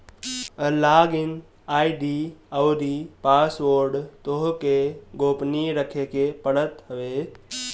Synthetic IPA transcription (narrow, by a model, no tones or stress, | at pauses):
əlaːɡɪn | aːiɖiəwɾipasʋoɾɖt̪oɦkeɡoːpniɾəkʰekepəɽət̪ɦəʋe